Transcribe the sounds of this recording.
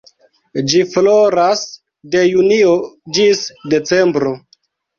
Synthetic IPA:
d͡ʒifloɾas | de̞juniod͡ʒisde̞t͡se̞mbɾo̞

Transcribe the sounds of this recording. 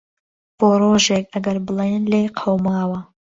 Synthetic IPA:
b̥oːɾoːʒeːk̚ɐɡɐɾbɨlˠenleːqʰowmaːwɐ

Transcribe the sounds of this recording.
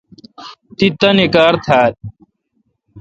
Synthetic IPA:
t̪it̪ənekaːɾt̪ʰaːɾ

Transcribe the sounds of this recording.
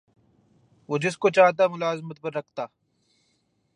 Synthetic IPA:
ʋoːd͡ʒɪskot͡ʃaːɦt̪̬amʊlaːzmət̪̚pɐɾːɐkʰt̪aː

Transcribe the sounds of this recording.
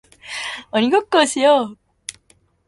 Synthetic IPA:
ʌniɡʌt̚k͈ʌɕʰijo

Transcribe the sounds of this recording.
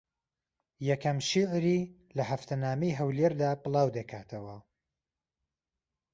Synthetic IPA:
jɛkɐmʃiʕɾiː | lɐhɐft̪ʰɐnaːmɐjɦɐwleɾd̪aːpɨlˠɑːwd̪ɐkʰaːt̪ʰɐwɐ

